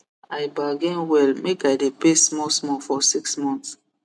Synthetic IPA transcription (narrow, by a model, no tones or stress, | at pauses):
aɪbaɡɛ̃nwɛlmekaɪdepesmɔsmɔfɔsiksmɔ̃nts